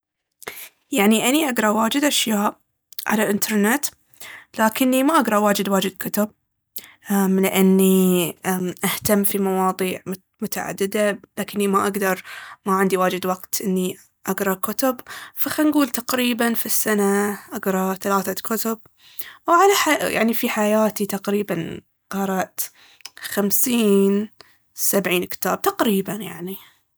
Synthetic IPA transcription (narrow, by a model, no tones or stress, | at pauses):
jaʕniʔaniʔaɡɾˤɑwaːd͡ʒɪd̪ʔaʃjaːʔ | ʕa̰lalʔɪnt̪ʰɑɾˤnɪt̪ | laːkɪnːimaʔaɡɾˤɑwaːd͡ʒɪd̪waːd͡ʒɪd̪kʊt̪ʊb̚ | alɪʔanːiaʔaht̪amːfimɑwɑːðˤiːʕ | mʊt̪aʕa̰d̪ːɪd̪alaːkɪnːimaʔaɡd̪ɑɾˤmaʕɪnd̪iwaːd͡ʒɪd̪waɡt̪ʔɪnːi | ʔaɡɾˤɑkʊt̪ʊbfaxanɡuːlt̪aqɾiːbanfisːanaʔaɡɾˤɑθalaːθakʊt̪ʊb̚ | wʕalaħaja̰ʕnifiħajaːt̪it̪aqɾiːban | qɑɾˤɑʔt̪ | xamsiːn | sabʕiːnkɪ̥t̪aːb̥̚t̪aqɾiːbanja̰ʕni